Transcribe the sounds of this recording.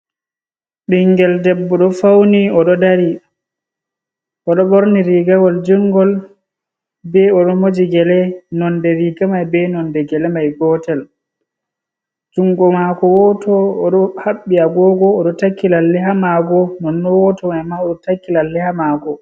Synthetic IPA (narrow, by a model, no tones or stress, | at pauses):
ɓɗiŋɡɛldɛbːɔɗɔfawniɔɗɔdaɾi | ʔɔɗɔɓoɾniɾiɡawɔld͡ʒuŋɡɔl | bɛɔɗɔmod͡ʒiɡɛlɛnɔndɛɾiɡamajbɛnɔndɛɡɛlɛmajɡɔtɛl | d͡ʒuŋɡɔmakɔwɔtɔːɗɔhaɓːiaɡɔːɡɔːɗɔtakːilalːɛɦamaɡɔnɔnːɔwɔtɔmajmaɔɗɔtakːilalːɛhamaɡɔ